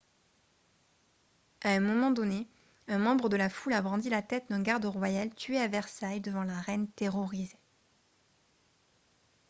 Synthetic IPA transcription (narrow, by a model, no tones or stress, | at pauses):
aɛ̃mɔmɑ̃d̪ɔne | ɛ̃mɑ̃bʁəd̪əlafulabʁɑ̃d̪ilat̪ɛt̪̚d̪ɛ̃ɡaʁd̪əʁwajalt̪ɥeavɛʁsajd̪əvɑ̃laʁɛnt̪eʁɔʁize